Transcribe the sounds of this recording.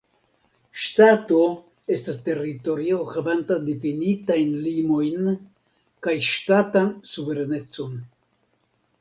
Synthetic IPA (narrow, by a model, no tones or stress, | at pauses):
ʃtato̞ | e̞staste̞rito̞ɾio̞havantadefinitajnlimo̞jn | kajʃtatansuve̞ɾane̞t͡so̞n